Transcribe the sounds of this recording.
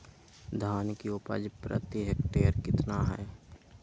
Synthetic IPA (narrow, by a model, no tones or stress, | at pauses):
d̪ʱaːnkiʊpə̰d͡ʒpɾə̰t̪iɦekʈeːɾkɪt̪naɦɛː